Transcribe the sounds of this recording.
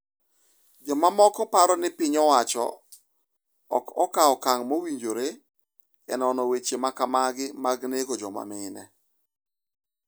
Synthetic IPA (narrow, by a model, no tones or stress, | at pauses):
d͡ʒɔmamɔkɔpaɾɔnɪpɪɲɔwat͡ʃɔ̰ | ɔ̰kɔkaɔkaŋmowiɲd͡ʒoɾe | ɛnɔnɔwet͡ʃemakamaɡɪmaɡnekod͡ʒɔma̰mɪnɛ̰